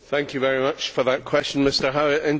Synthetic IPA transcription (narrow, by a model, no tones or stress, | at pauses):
θæ̃ŋkʰjɨvɛɹimʌt͡ʃfə˞ðəʔkʰw̥ɛst͡ʃə̃n̩mɪstə˞ɦaʊɪʔɪ̃n